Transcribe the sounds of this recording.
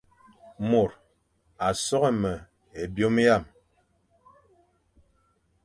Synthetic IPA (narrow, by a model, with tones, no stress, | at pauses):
mo˨ɾ | a˨sɔ˦ɣɛ˦mə˨ | e˨bjo˦m˦ja˦˨m